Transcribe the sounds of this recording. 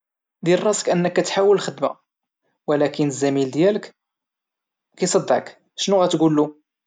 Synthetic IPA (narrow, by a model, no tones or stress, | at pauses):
d̪ilrˤɑsə̥kʔənːəkːæt̪ħawəlːxəd̪mæ̰ | wəlækənəzːæmild̪jælək | kæjsˤɑd̪ːəʕək | ʃnuɣæt̪ɡulːu